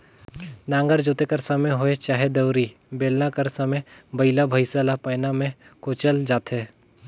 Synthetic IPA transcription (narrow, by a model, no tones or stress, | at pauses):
nãːŋɡəɾd͡ʒoːt̪ekɐɾsɐməɦoet͡ʃaːɦed̪ɐwɾi | beːlnakəɾsɐməbɐɪlabʱəɪsalapaːnamẽkoːt͡ʃəld͡ʒaːt̪ɦeː